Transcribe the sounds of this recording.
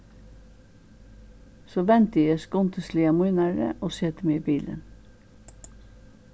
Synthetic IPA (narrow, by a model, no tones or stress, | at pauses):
soːʋɛnt̪əjæskʊnt̪ʰəsliːɑmuʏnæːɹə̰ʔoːsɛt̪meːiːbiːlə̰n